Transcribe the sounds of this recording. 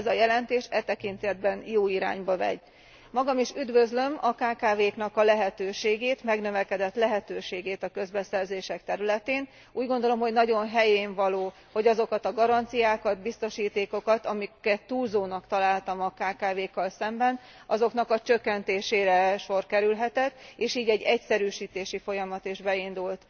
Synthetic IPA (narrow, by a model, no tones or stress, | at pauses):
ɛzɒjɛlɛnt̪eːʃɛt̪ɛkint̪ɛd̪̚bɛnjoːiɾa̰ːɲbɒvɛ̰ɟ | mɒɡɒmiʃyd̪vø̞zlø̞mɒkaːkaːveːknɒkɒlɛɦɛt̪øːʃeːɡeːt̪mɛɡnøvɛkɛd̪ɛt̪lɛɦɛt̪øːʃeːɡeːt̪ɒkø̞zbɛsɛrzeːʃɛk̚t̪ɛɾylɛt̪eːn | uːɟɡo̞nd̪o̞lo̞mho̞ɟnɒɟo̞nɦɛjeːɱvɒloː | ho̞ɟɒzo̞kɒt̪ɒɡɒɾɒnt̪sijaːkɒd̪bist̪o̞ʃiːt̪eːko̞kɒt̪ɒmikɛt̪ːuːlzoːnɒkt̪ɒlaːlt̪ɒmɒkaːkaːveːkːɒlsɛmbɛn | ɒzo̞kn̪ɒkɒt͡ʃø̞kːɛnt̪eːʃeːɾɛʃo̞rkɛɾylɦɛt̪ɛt̪ːeːʃiːɟɛɟːɛcsɛɾyːʃiːt̪eːʃifo̞jɒmɒt̪eʒbɛind̪ult̪